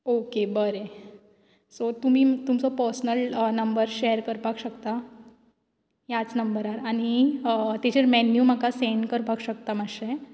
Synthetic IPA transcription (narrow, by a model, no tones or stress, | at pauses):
okebəɾe | sot̪um̤iːt̪umsɔpəɾsnəlnəmbəɾɕeəɾkəɾpakɕəkt̪a | jat͡snəmbəɾaɾañit̪et͡ɕeɾmɛnjumakaseɳɖkəɾpakɕək̚t̪amaɕe